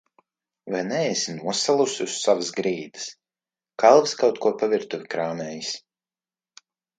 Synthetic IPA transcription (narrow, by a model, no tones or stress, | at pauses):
vajnɛesinuɔsalˠususːavəsɡɾiːd̪ɨ̥s | kalˠviskawt̪̚kuɔpaviɾt̪uvʲikɾaːmɛːjis